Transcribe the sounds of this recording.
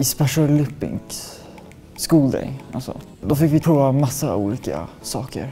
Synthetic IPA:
ɪspɛʂɔlʉpːɪ̰ŋks | skuːld̪ɛ̰jalsɔ̰ | d̪ɔfɪkːvɪpʰɾuːvamasːaṵːliːka̰ | sɑːkə̰ɾ

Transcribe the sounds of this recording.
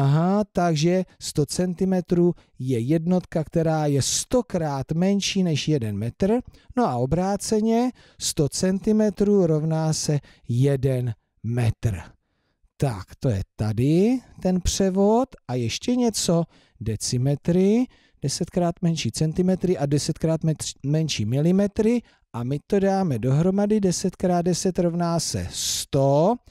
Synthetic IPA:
aɦat̪aɡʒɛst̪o̞t͡sɛnt̪ɪmɛt̪ɾuː | jɛjɛdno̞t̪kakt̪ɛɾaːjɛst̪o̞kɾaːt̪mɛnʃiːnɛʃjɛdɛnmɛt̪r̩ | no̞ʔao̞bɾaːt͡sɛɲɛ | st̪o̞t͡sɛnt̪ɪmɛt̪ɾuːɾo̞vnaːsɛ | jɛdɛn | mɛt̪r̩ | t̪a̰kt̪o̞jɛ̰t̪adɪt̪ɛnpr̝̥ɛvo̞t̪ʔajɛʃcɛɲɛt͡so̞ | dɛt͡sɪmɛt̪ɾɪ | d̥ɛsɛt̪kɾaːt̪mɛnʃiːt͡sɛnt̪ɪmɛt̪ɾɪʔadɛsɛt̪kɾaːt̪mɛmɛnʃiːmɪlɪmɛt̪ɾɪ | ʔamɪt̪o̞daːmɛdo̞ɦɾo̞madɪdɛsɛt̪kɾaːd̪̚dɛsɛt̪ɾovnaːsɛ̰st̪o

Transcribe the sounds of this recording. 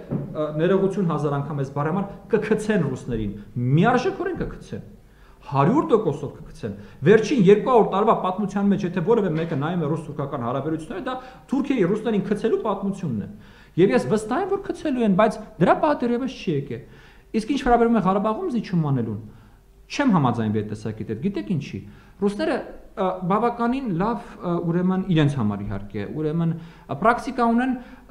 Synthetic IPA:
nɛɾɛʁut͡sʰjunɦɑzɑɾɑŋkʰɑmɛzbɑrɛhɑmɑɾkəkʰət͡sʰɛnrusnɛɾḭnmiɑrʒɛkʰɔɾɛnkəkʰə̥t͡sʰɛ̰n | hɑɾjuɾt̪ɔkɔsɔvkə̥kʰə̥t͡sʰɛnvɛɾt͡ʃʰinjɛɾkuɑɔɾt̪ɑɾvɑpɑt̪mut͡sʰjɑnmɛt͡ʃʰjɛt̪ʰɛvɔɾɛvɛmɛkənɑjumɛrust̪ʰuɾkʰɑkɑnhɑɾɑbɛɾut͡sʰjunːɛɾəd̪ɑt̪ʰuɾkʰɛɾirusnɛɾinkʰət͡sʰɛlupɑt̪mut͡sʰjunːɛ̰ | jɛvjɛsvəst̪ɑɦɛmvɔɾkʰət͡sʰɛluɛnbɑjt͡sʰd̪əɾɑpɑhəd̪ɛrjɛvəst͡ʃʰɛjɛkɛ̰l | iskint͡ʃʰvɛɾɑbɛɾvumɛʁɑɾɑbɑʁumzit͡ʃʰumɑnɛlun | t͡ʃʰɛmɦɑmɑd͡zɑjnviɛt̪t̪ːɛsɑ̰kɛt̪ɛt̪̚ɡit̪ɛkʰint͡ʃʰḭ | rusnɛɾəbɑvɑkɑninlɑvuɾɛməniɾɛnt͡sʰhɑmɑ̰ɾḭɦɑ̰ɾkɛ̰uɾɛmən | pɾɑkt̪ikɑunɛn

